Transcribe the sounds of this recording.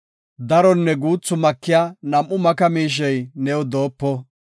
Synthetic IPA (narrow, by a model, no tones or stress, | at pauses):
d̪ɐɾɔnːɛɡuːt͡sːʊmɐkːɪjaːnɐmʔːʊmɐkɐmiːʃ̬ɛjnɛwɔd̪o̞ːpːɔ